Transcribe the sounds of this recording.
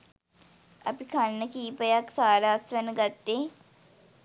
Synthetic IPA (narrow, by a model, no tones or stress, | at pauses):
ɐ̰pikʰanːəkiːpəjaksaːɾaːsʋɛnəɡat̪ːe